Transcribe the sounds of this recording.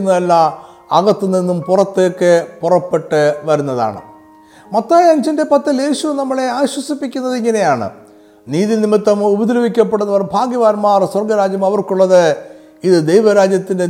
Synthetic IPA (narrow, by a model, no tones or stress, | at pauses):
nːɐɐlːɐ | ɐɣɐt̪ːɨninːumpurɐt̪ːejokːepurɐpːe̞ʈːɨʋɐɾunːɐða̰ːɳɨ̰ | mɐt̪ːaːjɐŋd͡ʑinde̞pɐt̪ːɐle̞ːɕunɐmːɐɭe̞aːɕwɐsipːikʲːunːɐðiŋːɐne̞jaːɳɨ̰ | niːðinimit̪ːɐmubɐd̪lɐbikʲːɐpːeɽunːɐʋɐrbʱaːɡjɐʋaːnmaːrswɐrɡɐɾaːd͡ʑjɐmɐʋɐrkuɭːɐðɨ | iðɨd̪ejʋɐɾaːd͡ʑjɐt̪ːinde̞